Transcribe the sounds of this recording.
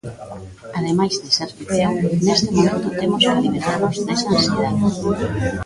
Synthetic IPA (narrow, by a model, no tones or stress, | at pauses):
aðemajzðeseɾfiβeanest̪emomẽnt̪ʊt̪emosɾaliβent̪aɾmozezmansiða